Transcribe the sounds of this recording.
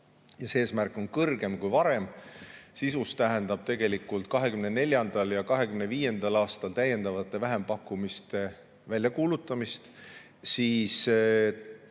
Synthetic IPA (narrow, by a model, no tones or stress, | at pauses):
jɑsee̞ːsmærkːˑo̞nkɤrɡe̞mkujvɑɾe̞msisust̪æɦend̪ɑb̥̚t̪e̞ɡ̥e̞likːˑult̪̚kɑɦe̞kymnene̞lʲjɑnd̪̥ɑljɑkɑɦe̞kymneviːje̞nd̪̥ɑlɑːst̪ɑlt̪æje̞nd̪ɑvɑt̪ːˑe̞væɦe̞mpɑkːˑumist̪e̞ | vælʲjɑkuːlut̪ːˑɑmist̪ | siːs